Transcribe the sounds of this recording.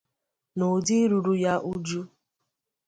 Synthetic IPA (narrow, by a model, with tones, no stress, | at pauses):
no˨di˦ɾu˨ɾu˦ja˦ʔu˦d͡ʒu˦